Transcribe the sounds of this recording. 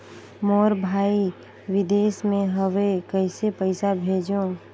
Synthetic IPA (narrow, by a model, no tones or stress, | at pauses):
mɔːɾbʱaːi | ʋɪd̪eːsmẽɦəʋekəɪsepəɪsabʱeːd͡ʒo